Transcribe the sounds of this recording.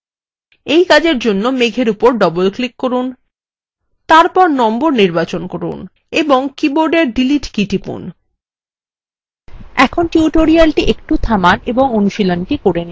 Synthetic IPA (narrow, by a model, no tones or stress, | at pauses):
ejkad͡ʑeɾd͡ʑonːomeɡʱeɾupoɾɖɔbolklikːoɾun | t̪aɾpɔɾnɔmboɾniɾbat͡ɕonkoɾṵn | eboŋkiboɾɖeɾɖiliʈkiʈipṵn | ɛkʰonʈiuʈoɾialʈiʔek̚ʈut̪ʰamaneboŋonuʃilonʈikoɾeni